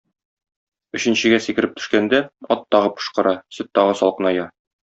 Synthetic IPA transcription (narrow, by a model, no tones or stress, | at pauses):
ɵ̆ɕɘ̆nɕɘ̆ɡæsikɘ̆ɾɘp̚t̪ɵ̆ʃkænd̪æɒt̪ːɒʁɤp̚qɤ̥̆ʃqɤ̆ɾɑsɘt̪ːɒʁɤsɒlˠqɤ̆nɑjɑ